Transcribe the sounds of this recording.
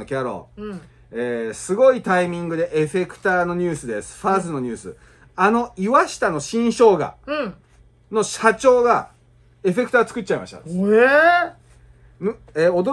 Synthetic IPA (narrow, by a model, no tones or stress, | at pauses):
okʲaɾo̞̰ | eːsɨɡo̞it̪aimʲĩŋɡɯ̟d̪e̞ʔe̞ɸe̞kɯ̟̥t̪aːno̞ɲ̟ɨːsɨd̪e̞sɨ̥ɸaːzɨno̞ɲ̟ɨːsɨ̰ | ano̞iβaɕi̥t̪ano̞ɕĩɰ̃ɕo̞ːɡa̰ | no̞ɕat͡ɕo̞ːɡa | e̞ɸe̞k̟t̪at͡sɨ̥kɯ̟t̚ːt͡ɕːaima̰ɕi̥t̪a̰ | mɯeod̪o